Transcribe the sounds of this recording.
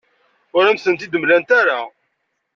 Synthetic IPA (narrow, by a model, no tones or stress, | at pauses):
ʊɾæmsənt̪id̪əmlænt̪æɾa